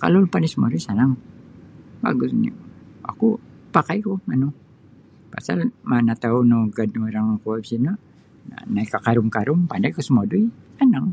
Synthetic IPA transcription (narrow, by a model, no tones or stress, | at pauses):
ka̰lolpandasəmo̰duisanaŋ | ba̰ɡʊsnḭa̰kupakajkumanu | pa̰sa̰lmanat̪aunoɡad̚nuɾaŋkuabisina | na̰naikakaɾʊmkaɾʊmpandajkusəmaduisanaŋ